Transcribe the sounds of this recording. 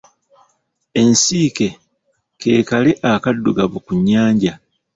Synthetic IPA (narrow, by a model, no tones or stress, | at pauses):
e̞nsiːke̞ | ke̞ːkaleʔakadːuɡaβukuɲːaːɲɟa